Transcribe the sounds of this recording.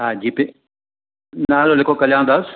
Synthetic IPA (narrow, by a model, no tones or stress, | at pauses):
ɦaːd͡ʑiːpe | naːlolɪkʰokɐljãːənd̪aːs